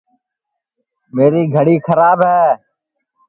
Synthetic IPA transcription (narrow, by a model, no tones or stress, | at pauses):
meːɾiːɡʱəɽiːxʰəɾaːbɦɛː